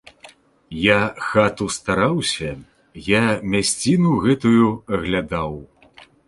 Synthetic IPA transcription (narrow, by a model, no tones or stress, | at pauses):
jaxat̪ust̪aɾawsʲɐ | jamʲasʲt͡sʲinuɣɛt̪ujuɣlʲad̪aw